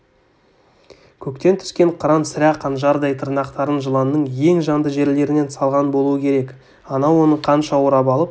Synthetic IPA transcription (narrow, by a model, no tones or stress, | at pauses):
kʲʰɵkt̪e̞nt̪ʰʏ̥skʲe̞ɴqʰʊɾɑnsɪɾæqʰɑnʒɑɾd̪ɑjt̪ʰəɾnɑqt̪ɑɾənʒəlˠɑnːəɴje̞ŋʒɑnd̪əʒe̞ɾle̞ɾɪne̞nsɑlˠʁɑnbo̞lˠuəkʲʰe̞ɾe̞k | ɑnɑwo̞nəɴqʰɑnʃɑwoɾɑpɑlˠəp̚